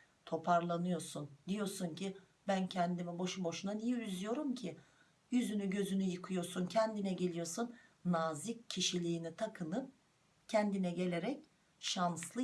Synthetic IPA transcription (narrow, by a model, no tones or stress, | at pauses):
t̪ʰo̞pʰaɾlˠanɯjo̞ɾsund̪ijo̞ɾsunci | bæncʰɛnd̪imɛbo̞ʃubo̞ʃunanijɛyzyjo̞ɾumcʰi | jyzynyɟø̞zynyjɯkʰɯjo̞ɾsuncʰɛnd̪inɛɟe̞lʲijo̞sunːaːziccʰːiʃilʲiːnit̪ʰakʰɯnɯp | cʰɛnd̪inɛɟe̞lʲe̞ɾɛc | ʃanslˠɯ